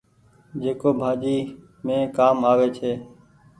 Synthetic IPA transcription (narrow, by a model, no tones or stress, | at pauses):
d͡ʒeːkoːbʱaːd͡ʒiː | mẽːkaːmaːʋeːt͡ʃʰeː